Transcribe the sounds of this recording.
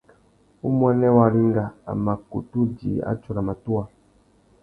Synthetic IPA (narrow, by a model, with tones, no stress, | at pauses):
u˦mwɛ˦nɛ˦wa˦ɾi˦ŋ˦ɡa˨a̰˨ma˨kṵ˨tu˦dḭ˨a̰˦t͡ʃɔ˦ɾa˨ma˨tu˦a˨